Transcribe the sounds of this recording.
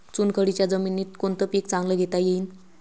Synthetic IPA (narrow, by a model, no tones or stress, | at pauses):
t͡sunkʰəɽit͡ɕjad͡zəminːiːt̪kont̪əpikt͡sãŋɡləːɡʱet̪ajeiːn